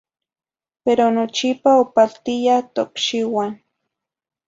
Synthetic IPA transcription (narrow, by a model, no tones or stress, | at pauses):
peɾonot͡ʃipaopalt̪ijat̪okʃiwan